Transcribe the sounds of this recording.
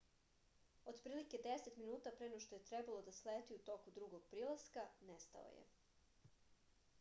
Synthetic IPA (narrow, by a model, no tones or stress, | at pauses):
o̞d̪pɾiːlike̞d̪e̞set̪minuːt̪apɾenoʃt̪o̞je̞t̪ɾe̞balˠo̞d̪asleːt̪iut̪o̞kud̪ɾuɡo̞ɡ̥̚pɾiːlˠaskanest̪a̰o̰jḛ